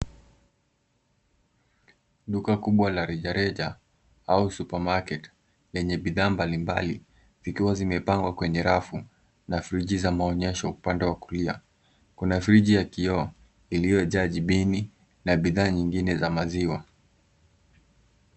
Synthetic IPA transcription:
ɗukakuɓwalaɾɛʄaɾɛʄa | ausupamakɛt | lɛɲɛɓiðaːmbalimba̰lḭ | zikiwazimɛpaŋɡwakwɛɲɛɾafu | nafɾiʄizamaɔɲɛʃɔupandɛwakulia̰ | kunafɾiʄijakiɔ | ilijɔʄaʄiɓini | naɓiðaːɲiŋɡinɛzamaziwa

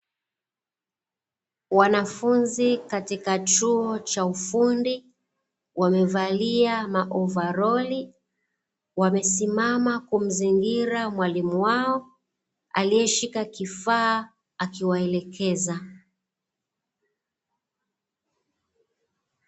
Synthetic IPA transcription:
wanafunzikatikat͡ʃuɔt͡ʃaufundi | wamɛvaliamaʔɔvaɾɔli | wamɛsimamakum̩ziŋɡiɾamwalimuwaɔ | a̰liɛʃikakifaː | akiwaɛlɛkʰɛza

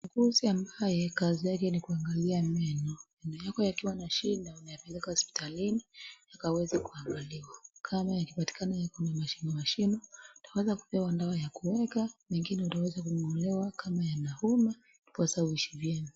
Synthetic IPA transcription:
miɡuziambajɛkazijakɛnikuaŋɡaliamɛnɔmɛnɔjakɔjakiwanaʃindaunajapɛlɛkahɔspi̥tʰaliniakawɛzakuaŋɡaliwakʰamajakipati̥kanajakɔnamaʃinɔmaʃinɔutawɛzaku̥pɛwandawajakuwɛkamɛŋɡinɛutawɛzakuŋɔlɛwakʰamajanahuma | ipasawiʃivjɛmi

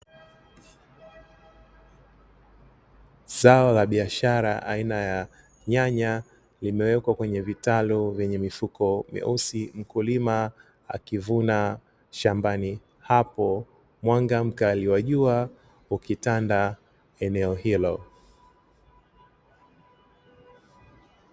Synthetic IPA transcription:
z̥aɔlaɓiaʃaɾaʔainaja | ɲaɲa | limɛwɛkwakwɛɲɛvitaluvjɛɲɛmifukɔmɛ̰ʔusim̩kulima | a̰kivuna | ʃambani | hapɔ | mwaŋɡam̩kaliwaʄua | ukitanda | ɛnɛɔhilɔ

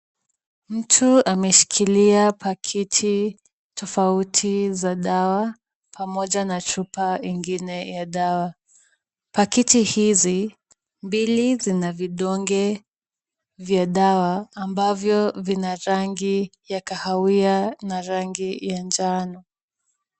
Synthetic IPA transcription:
m̩tʰuamɛʃi̥kʰiliapʰakʰitʰi | tʰɔfautʰizaɗawa | pʰamɔʄanat͡ʃupaiŋɡinɛjaɗawa | pakitihizi | mbilizinaviɗɔŋɡɛ | vjaɗawaːmbavjɔvinaɾaŋɡijakahawianaɾaŋɡijand͡ʒanɔ

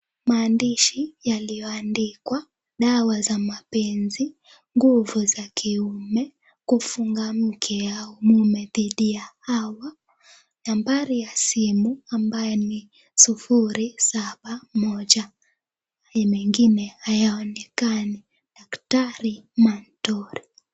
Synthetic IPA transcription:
maːndiʃijalijɔandikwa | ɗawazamapɛnzi | ŋɡuvuzakiumɛ | kufuŋɡam̩kʰɛjaumumɛðiɗijahawa | nambaɾijasimuambajɛni | sufuɾisaɓamɔʄa | mɛŋɡinɛhajaɔnɛkani | ɗaktaɾimantɔɾi

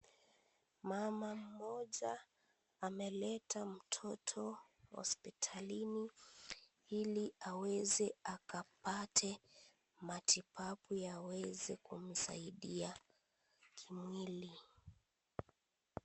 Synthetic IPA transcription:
mamam̩mɔʄaː | mɛlɛtam̩tʰɔtʰɔ | hɔ̰spitʰalini | iliawɛzɛakapatʰɛ | matipʰapujawɛzɛkum̩sa̰iɗia | kʰimwili

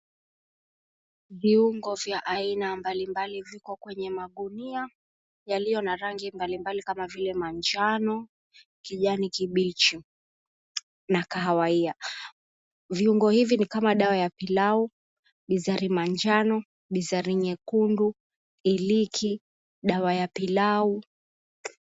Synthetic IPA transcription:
viuŋɡɔvjaʔainambalimbalivikɔkwɛɲɛmaɠunia | jalijɔnaɾaŋɡimbalimbalikamavilɛmaɲd͡ʒanɔ | kiʄanikiɓit͡ʃu | nakaɦawaia | viuŋɡɔhivinikamaɗawajapilau | ɓizaɾimaɲd͡ʒanɔ | ɓizaɾiɲɛkundu | ilikʰi | ɗawajapilau

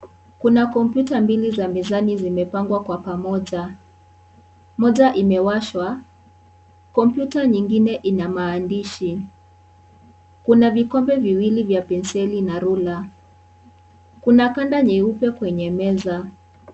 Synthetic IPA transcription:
kunakɔmpjutambilizamizanizimɛpaŋɡwakwapamɔʄa | mɔʄaʔimɛwaʃwa | kɔmpjutaɲiŋɡinɛʔinamaːndiʃi | kunavikɔmbɛviwilivjapɛnsɛlinaɾula | kunakandaɲɛupɛkwɛɲɛmɛza

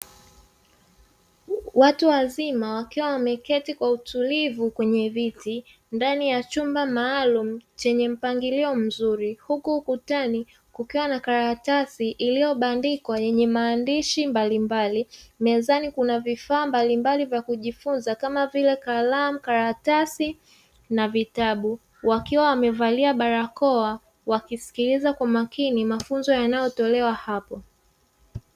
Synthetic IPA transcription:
watuwazimawakiwawamɛkɛtikwautulivukwɛɲɛviti | ndanijat͡ʃumbamaːlum̩t͡ʃɛɲɛm̩paŋɡiliɔm̩zuɾihukuːkutani | kukiwanakaɾatasiʔilijɔɓandikwajɛɲɛmaːndiʃimbalimbalimɛzanikunavifaːmbalimbalivjakuʄifunzakamavilɛkalam̩kaɾatasi | navitaɓu | wakiwawamɛvaliaɓaɾakɔa | wakisi̥kilizakwamakinimafunzɔjanajɔtɔlɛwahapɔ

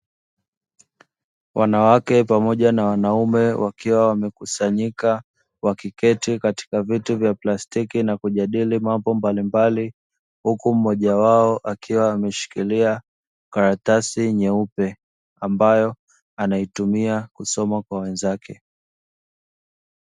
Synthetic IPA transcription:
wʔanawakɛpamɔʄanawanaumɛwʔakiwawamɛkusaɲika | wakikɛtikati̥kavituvjaplastikinakuʄaɗilimambɔmbalimbali | hukum̩mɔʄawaɔʔakʰiwaːmɛʃi̥kilia | kaɾatasiɲɛupɛ | ambajɔ | anaitumiakusɔmakwawɛnzakʰɛ

